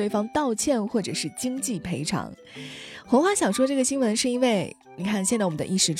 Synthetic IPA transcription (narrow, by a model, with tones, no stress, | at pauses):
we˥˩ɪfɑ˥ŋt̪ɑ˥˧ʊt͡ɕʰjɛ˥˧nxwɔ˥˩ʈ͡ʂɤ˨˩ʂɻ̩˥˩t͡ɕi˥ŋt͡ɕi˥˩pʰe˧˥ɪʈ͡ʂʰɑ̰˧˥ŋ | xwɤ˧˥ŋxwa˥˩ɕjɑ˨˩ŋʂwɔ˥ʈ͡ʂɤ˥˩ɡə˩ɕi˥ŋwə˧˥nʂɻ̩˥˩i˥nwe˥˩ɪ | ni˨˩kʰa˥˩nɕjɛ˥˧t͡swɔ˨˩˦d̪ə˧ʔi˥˧ʂɻ̩˥˧˩ʈ͡ʂ